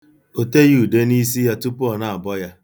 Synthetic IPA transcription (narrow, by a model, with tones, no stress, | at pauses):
o˨te˦ju˦˨de˦ni˦s̬i˦ja˦tu˦pʊ˦ɔ˨na˨a˨bɔ˦ja˦